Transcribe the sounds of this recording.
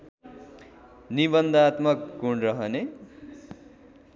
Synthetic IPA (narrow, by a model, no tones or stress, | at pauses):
nibʌnd̪at̪mʌk̚ːuɳrʌɦʌne